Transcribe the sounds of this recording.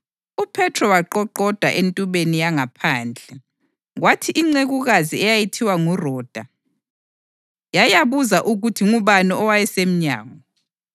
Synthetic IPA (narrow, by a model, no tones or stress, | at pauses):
upʰɛtʰrɔwaǃɔǃɔd̥ʱaʔentʼuβenijaŋapʰaːnd͡ɮʱɛ | ɣwatʰiʔiŋ͡ǀeɣuɣaziɛjajitʰiwaŋurɔːd̥ʱa | jajaβuzaʔuɣutʰiŋuβanɔɔwajɛsem̩ɲa̰ːŋɔ